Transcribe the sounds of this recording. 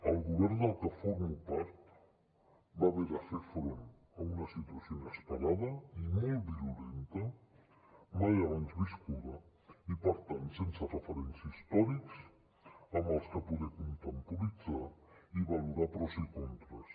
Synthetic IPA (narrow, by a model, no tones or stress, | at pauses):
əlˠɣuβɛɾnd̪əlˠkəfoɾmupaɾt̪ | baβɛɾəfeɾfɾon | əunəsit̪uəsionəspəɾaðəimolˠt̪biɾulent̪ə | majaβanzβiskuðə | ipəɾt̪ant̪sensərəfəɾɛnsist̪ɔɾiks | əmbəlˠskəpuðɛkunt̪əmpuɾid͡zaiβaluɾapɾɔzikont̪ɾəs